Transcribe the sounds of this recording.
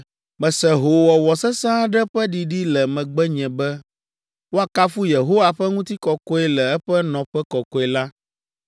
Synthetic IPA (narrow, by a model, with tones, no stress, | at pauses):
mɛ̃˨sɛ˨ɦo˨wɔ˨wɔ˨sɛ˦sã˦ɖɛ˦ɸɛ˦ɖi˨ɖi˦lɛ˨mɛ̃˨ɡ͡bɛ˦ɲɛ̃˨bɛ˦ | wo˦a˨ka˦fu˦je˨ɦo˦wa˨ɸɛ˦ŋũ˦t̪i˦kɔ˨kɔ˦ɛ˦lɛ˨ɛ˦ɸɛ˦nɔ̃˨ɸɛ˦kɔ˨kɔ˦ɛ˨la˦